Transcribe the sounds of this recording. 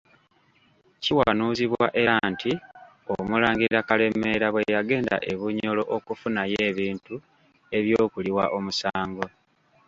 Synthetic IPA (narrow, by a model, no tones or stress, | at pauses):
ciwaːnuːziβwa̰ʔe̞ɾanti | omulaːŋɡiɾakale̞me̞ɾaβwejaɡe̞ːnda̰ʔeβuɲo̞lo̞ʔokufunaje̞ːβiːntu | e̞βjoːkuliwaʔo̞musaːŋɡo̞